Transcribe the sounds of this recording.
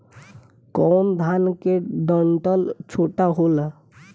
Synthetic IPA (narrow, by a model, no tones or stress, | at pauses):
kɔːnd̪ʱankeɖ̪əɳʈəlt͡ʃʰoʈaɦola